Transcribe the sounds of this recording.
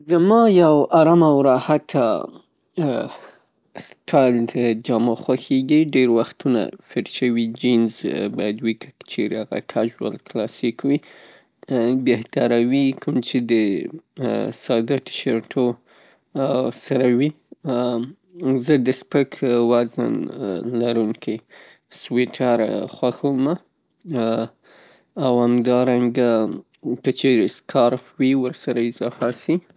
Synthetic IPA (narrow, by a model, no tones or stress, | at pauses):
zəmɑjawaɾamawɾɑhat̪ʰa̰ | stʰɑjld̪əd͡ʒɑmaxwaxeɡiɖeɾwaxt̪una̰fɪɾʃəwid͡ʒinzbɑjad̪wikʰəkə̥t͡ʃeɾeaɣa̰kʰaʒwə̰lklɑsikwi | beht̪aɾawikʰʊmt͡ʃed̪ə | sɑd̪aʈ̪ɪ̥ʃaɾʈʰo | saɾawi | zəd̪əspəkʰwazə̰nlaɾuŋkʰij | swiʈʰaɾxwaxawma | whamd̪ɑɾaŋɡa | kət͡ʃeɾskʰɑɾfwiwəɾsaɾaɪzɑfasi